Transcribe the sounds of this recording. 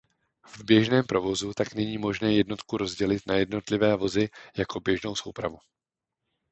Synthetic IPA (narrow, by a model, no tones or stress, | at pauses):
vbjɛʒnɛːmpɾo̞vo̞zut̪aknɛɲiːmo̞ʒnɛːjɛdno̞t̪kuɾo̞zɟɛlɪt̪najɛdno̞t̪lɪvɛːvo̞zɪjako̞bjɛʒno̞wso̞wpɾa̰vu